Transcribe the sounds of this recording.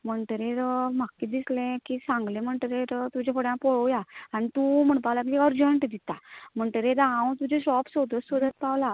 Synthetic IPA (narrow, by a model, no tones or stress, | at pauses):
m̤əɳʈəɾeɾm̤akkːid̪islẽkisãŋɡlem̤əɳʈəɾeɾt̪ud͡ʑekʰoɽjãpɔɭojaanit̪um̤əɳpawlak̬iiɔɾd͡ʑəɳʈd̪it̪am̤əɳʈəɾẽɾaɦãwt̪ud͡ʑeɕɔpsod̪əsʋəd̪ət̪̚pawla